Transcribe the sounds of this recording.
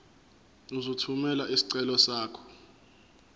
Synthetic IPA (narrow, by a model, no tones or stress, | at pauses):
uzotʰumɛlaʔisi̥ǀɛlɔsaːkʰɔ̥